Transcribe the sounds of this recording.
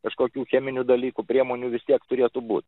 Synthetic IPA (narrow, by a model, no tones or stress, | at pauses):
kɐʃkoːkʲuːxʲæːmʲɪnʲud̪ɐlʲiːkupʲɾʲiɛmoːnʲuːʋʲɪsʲt̪ʲiɛkt̪ʊɾʲiɛt̪ʊbuːt̪ʲ